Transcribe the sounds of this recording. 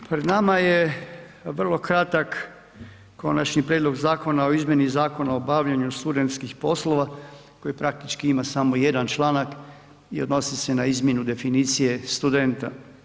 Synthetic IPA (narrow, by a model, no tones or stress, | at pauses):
pɾed̪namaje | ʋr̩lˠo̞kɾat̪ak | kːo̞nat͡ʃɲipɾjed̪lo̞ɡzaːko̞nao̞izmʲje̞nizaːko̞naobaʋʎaɲust̪ud̪e̞nt̪skixpo̞slˠo̞ʋa | ko̞jipɾak̚t̪it͡ʃkiimasamo̞je̞d̪ant͡ʃlˠaːnak | iod̪no̞sise̞naizmʲje̞nud̪e̞finiːt̪sije̞st̪ud̪e̞nt̪a̰